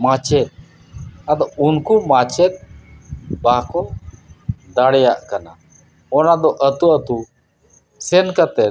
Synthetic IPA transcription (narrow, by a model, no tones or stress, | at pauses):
mãt͡ʃɛt̪̚ | ad̪ɔunkumat͡ʃɛt̪̚ | bakɔ | d̪aɽjaʔkana | ɔnad̪ɔʔət̪uət̪u | sɛnkat̪ɛ